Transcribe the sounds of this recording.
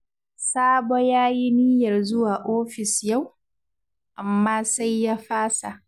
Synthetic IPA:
saː˦bo˦jaː˦ji˦niː˦jɐ˨rzʊ˦waː˨ʔoː˦ɸɪ˨sja˦˨w | ʔa˨mːaː˦sa˦jːaː˦ɸaː˦sa˨ʔ

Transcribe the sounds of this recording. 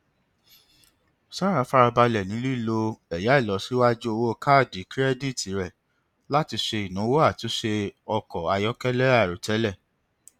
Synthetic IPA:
sã˦ɾ̃ã˨˧˦fa˦˧ɾa˧ba˧lɛ˨nĩ˨˦lu˦i˦˨lo˧ɛ˨ja˨˦i˦˨lɔ˨˦si˦wa˦d͡ʒu˦o˧wo˦˧ka˦˨di˨˦kɾɛ˦di˦˨ti˨˦ɾɛ˦˨ | la˦ti˧ʃe˧i˨nũ˨˦wo˦a˦˨tu˨˦ʃe˧ɔ˧kɔ˨a˧jɔ˦kɛ˦lɛ˦a˦˨ɾo˨tɛ˨˦lɛ˦˨

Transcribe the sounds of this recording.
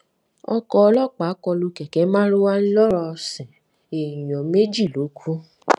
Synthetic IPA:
ɔ̰˧kɔ˧ɔ˧lɔ˦˨k͡pa˨˦kɔ˧lu˧kɛ˨kɛ˨˦mãː˦ɾo˦wa˦llɔ˦ɾɔ˧sɛ̃˨ | e˨jɔ̃˨me˦d͡ʒi˦˨lo˨˦kʷʰu˦

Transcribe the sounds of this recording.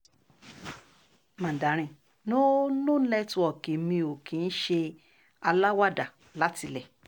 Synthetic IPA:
mã˨da˨˦ɾ̃ĩ˨ | nõ˦nũ˦n̩˦lɛ˦tũ˧ɔ˨ke˨˦mĩ˧o˨kĩ˨˦n̩˦ʃe˧ | a˧la˦wa˦da˨ | la˦ti˧lɛ˨

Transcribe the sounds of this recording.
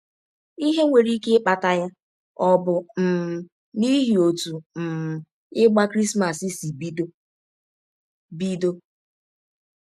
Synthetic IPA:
i˦ɦe˦ŋʷe˨ɾi˦ke˦k͡pa˨ta˦ja˦ | ɔ˦˨bʊ˨n̩˨ | ni˦ɦi˨o˨tu˨n̩˨ | ɪ˦ɡ͡ba˦kɾi˦sma˨si˦si˨bd | bi˦do˦

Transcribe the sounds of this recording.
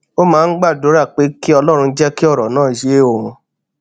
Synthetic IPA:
o˦mãː˦˧˦n̩˦ɡ͡ba˦˨do˨˦ɾa˦˨k͡pe˨˦ki˦ɔ˧lɔ˦ɾ̃ũ˧˦d͡ʒɛ˦ki˦ɔ˦˨ɾɔ˨nãː˦˨ʃe˨˦o˦˨ɾ̃ũ˨˧

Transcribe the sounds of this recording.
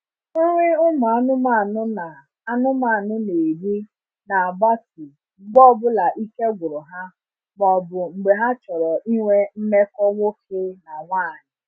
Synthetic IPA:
ŋ̩˦ŋʷɪ˦ʊ˦ma˨a˨˦nʊ˦ma˦˨nʊ˦na˨ | a˦nʊ˦ma˦˨nʊ˦ne˨bi˦ | na˨a˨ba˦ti˨ | ŋ͡m̩˨ɡ͡bɔ˦bʊ˦la˨ʔi˦ke˦ɡʷʊ˨ɾʊ˨ɦa˦ | ɡ͡bɔ˨bʊ˨ŋ͡m̩˨ɡ͡be˨ɦa˦t͡ʃɔ˨ɾɔ˨ʔi˦ŋʷe˦m̩˦me˦kɔ˦ŋʷo˦kʰe˦na˨ŋʷaː˦˨ɲɪ˨

